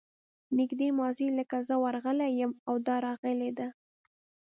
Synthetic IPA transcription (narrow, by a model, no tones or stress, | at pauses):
nɪɡd̪emɑziləkazəwaɾɣəlajəmawd̪ɑɾɑɣəled̪a